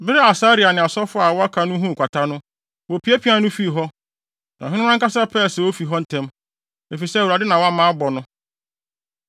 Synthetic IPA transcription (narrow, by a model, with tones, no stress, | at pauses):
bɪ˦ɾɛ˦a˨sa˦ɾi˨a˨nɪ̃˨a˨sɔ˦fʊ˦a˨wɔ˦a˦kʰa˨nʊ̃˦ɦũ˦˨kʷa˨tʰa˦nʊ̃˦ | wo˨pʰi˨˦ɛ˦pʰi˨˦ã˦nʊ̃˦fi˦˨ɦɔ˦ | nã˨ɦɪ̃˦ñ˦ã˦ŋ˦ka˦sa˦pʰɛ˦˨sɛ˨o˦fi˨ɦɔ˦n̩˨tʰɛ̃˦m | e˨fi˨sɛ˦˨u˨ɾa˨dɪ˦nã˨wa˦mãː˦bɔ˨nʊ̃˦